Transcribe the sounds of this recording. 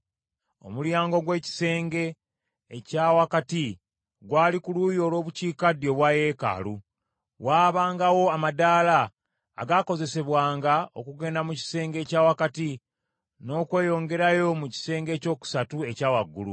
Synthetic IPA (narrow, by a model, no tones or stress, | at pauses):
o̞̰muljaːŋɡo̞ɡwe̞ːci̥se̞ːŋɡe̞ː | caːwakati | ɡwaːlikulujoːlwo̞ːβuciːkadjo̞βwaje̞ka̰lu | waːβaːŋɡawo̞amadaːla̰ː | ɡako̞ze̞se̞βwaːŋɡao̞̰kuɡe̞ːndamuci̥se̞ːŋɡe̞ːcaːwakati | no̞ːkwe̞ːjo̞ːŋɡe̞ɾajo̞muci̥se̞ːŋɡe̞ːco̞ːku̥satue̞caːwaɡːṵlṵ